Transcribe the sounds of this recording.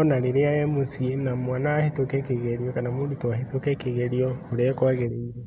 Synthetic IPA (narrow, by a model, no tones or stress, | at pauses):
ɔnaɾeɾeaɛmosienamwaːnaːhetokɛkeɣeɾiɔkanamuːndutoahetokɛkeɣeɾiɔoɾekwaɣeɾeiɾɛ